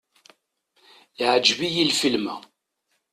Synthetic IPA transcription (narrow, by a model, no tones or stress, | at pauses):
iʕəd͡ʒbijilfilmæ